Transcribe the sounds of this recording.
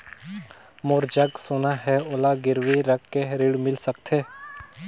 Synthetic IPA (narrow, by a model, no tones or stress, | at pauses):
moːɾd͡ʒəɡsoːnaɦɛoːlaɡɪɾʋiɾəkːeɾɪɽmɪlsək̚t̪ʰeː